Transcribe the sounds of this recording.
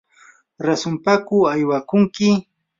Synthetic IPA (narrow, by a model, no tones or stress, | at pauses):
ɾasʊmpakʊajwakʊŋkɪ